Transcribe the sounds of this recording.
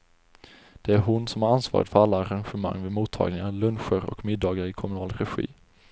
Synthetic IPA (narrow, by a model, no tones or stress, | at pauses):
d̪̥ɛæɾɦʊnsɔmhaɾansvɑ̰ːɾɪt̪fœɾalːaːɾanɧɛma̰ŋːvɪmuːt̪ʰːɑ̰ːɡlɪŋalɵnɧəɾɔ̰kmɪd̪ːɑːɡaɾɪkʰɔmɵnɑːlɾɛɧḭː